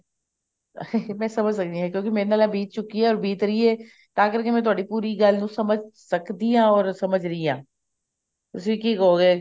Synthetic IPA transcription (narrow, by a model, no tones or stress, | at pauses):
mɛ̃ːsəməd͡ʒsəkd̪iːãːkjõːkimẽːɾnaːlãːbiːt̪̚t͡ʃʊkiːɦɛːɔːɾbiːt̪ɾəiːɛː | t̪aːkəɾkemɛ̃ːt̪ʊaːɖiːpuːɾiɡəlnũːsəməd͡ʒʱsəkd̪iːãːɔːɾsəməd͡ʒʱɾəiːãː | t̪ʊsʋiːkiːkoːɡeː